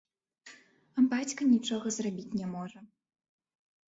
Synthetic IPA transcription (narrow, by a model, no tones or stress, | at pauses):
ɐbat͡sʲkɐnʲit͡ʂɔɣɐzrabʲit͡sʲnʲɛmɔʐɐ